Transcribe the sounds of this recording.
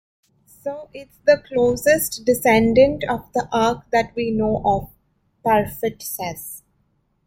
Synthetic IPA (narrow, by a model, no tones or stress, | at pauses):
soːʔɪʈsd̪əkloːsɪsʈɖɪsɛ̃ɳɖə̃ɳʈɔːʋd̪əʔaːɾk̚d̪æʈʋiːnoːʔɔʋ | paɾfɪʈsɛs